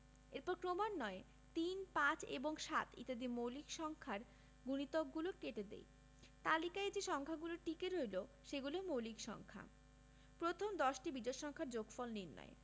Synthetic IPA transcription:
eɾpɔɾkɾomanːɔe | t̪inpãt͡ɕḛboŋʃat̪ḭt̪ad̪imowlikʃɔŋkʰaɾ | ɡunit̪okɡulokeʈed̪ḛj | t̪alikaed͡ʑeʃɔŋkʰaɡuloɾʈikeɾojlo | ʃeɡulomowlikʃɔ̰ŋkʰa̰ | pɾot̪ʰomd̪ɔʃʈibid͡ʑɔʃɔŋkʰaɾd͡ʑoɡfɔlniɾnɔ̰e

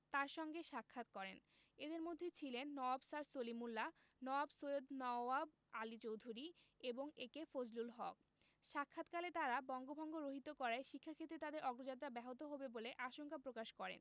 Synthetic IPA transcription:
t̪aɾʃɔŋɡeʃakʰːat̪̚kɔɾen | ed̪eɾmod̪ʱːet͡ɕʰilenːɔabsaɾsolimulːa | nɔabsojod̪nɔab | alit͡ɕowd̪ʱuɾieboŋekefod͡ʑlulɦɔ̰k̚ | ʃakʰːat̪kalet̪aɾabɔŋɡobʱɔŋɡoɾoɦit̪okɔɾaeʃikʰːakʰet̪ɾet̪ad̪eɾʔɔɡɾod͡ʑat̪ːɾabɛɦot̪oɦobeboleʔaʃoŋkapɾokaʃkɔɾḛn

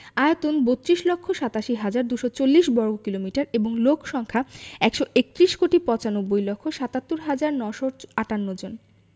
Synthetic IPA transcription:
aeot̪onbot̪ːɾiʃlokʰːoʃat̪aʃiɦad͡ʑaɾd̪uʃɔt͡ɕolːiʃbɔɾɡokilomiʈaɾeboŋlokʰʃɔŋkʰaɛkʃoek̚t̪ɾiʃkoʈipɔ̃t͡ɕanobːojlɔkʰːoʃat̪at̪ːoɾɦad͡ʑaɾnɔʃoaʈanːod͡ʑon

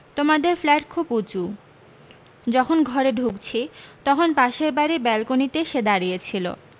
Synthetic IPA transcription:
t̪omad̪eɾflɛʈ̚kʰuput͡ɕu | d͡ʑɔkʰonɡʱɔɾeɖʱuɡt͡ɕʰet̪ɔkʰonpaʃeɾbaɾebɛlkonit̪eʃed̪aɾijet͡ɕʰilo̰

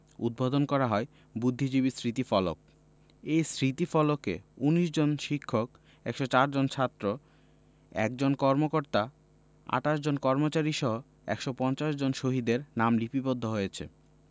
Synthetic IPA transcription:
ṵd̪̚bod̪onkɔɾaɦɔe | bud̪ʱːid͡ʑiβisɾit̪ifɔlo̰k̚ | ejsɾit̪ifɔlokḛuniʃd͡ʑonʃikʰːok | ɛkʃot͡ɕaɾd͡ʑont͡ɕʰat̪ːɾo | ɛ̰kd͡ʑonkɔɾmokoɾt̪a | a̰ʈaʃd͡ʑonkɔɾmot͡ɕaɾiʃɔɦo | ɛ̰kʃopɔnt͡ɕaʃd͡ʑonʃoɦid̪eɾnamlipipod̪ʱːoɦojet͡ɕʰḛ

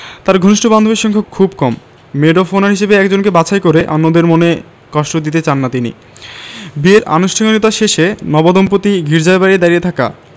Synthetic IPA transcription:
t̪aɾɡʱoniʃʈoband̪obiʃɔŋkʰokʰubkɔmː | eɖofonaɾɦiʃebeɛkd͡ʑonkebat͡ɕʰaekoɾeʔanːod̪eɾmone | kɔʃʈod̪it̪et͡ɕanːat̪inḭ | bieɾa̰noʃʈʰaŋonit̪aʃeʃenɔbɔd̪ompot̪iɡʱiɾd͡ʑaebaɾid̪aɾiet̪ʰaka̰

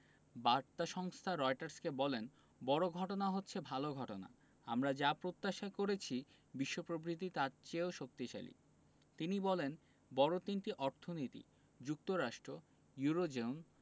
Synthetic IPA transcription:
baɾt̪aʃɔŋst̪ʰaɾɔjʈaɾskebɔlen | bɔɾoɡʱɔʈonaɦotːɕʰebʱaloɡʱɔʈona̰ | amɾad͡ʑapɾot̪ːaʃakoɾet͡ɕʰi | biʃːopɾobɾit̪̬it̪at͡ɕeoʃok̚t̪iʃa̰lḭ | t̪inibɔlen | bɔɾot̪inʈiʔɔɾt̪ʰonit̪ḭ | d͡ʑuk̚t̪oɾaʃʈɾo | juɾod͡ʑeun

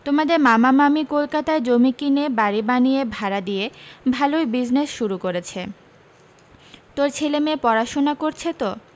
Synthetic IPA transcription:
t̪omad̪eɾmamamamikolkat̪aed͡ʑomikinebaɾibanijebʱaɾad̪ijebʱalojbid͡ʑnesʃuɾukoɾet͡ɕʰe | t̪oɾt͡ɕʰelemepɔɾaʃonakoɾt͡ɕʰet̪o

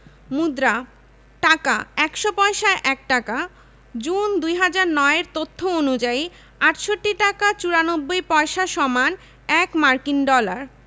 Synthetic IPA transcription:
mud̪ɾa | ʈaka̰ɛkʃopɔeʃaʔɛk̚ʈaka | d͡ʑund̪ujɦad͡ʑaɾnɔeeɾt̪ot̪ʰːoonud͡ʑai | aʈʃoʈːiʈakat͡ɕuɾanobːojpɔeʃaʃɔman | ɛkmaɾkinɖɔlaɾ

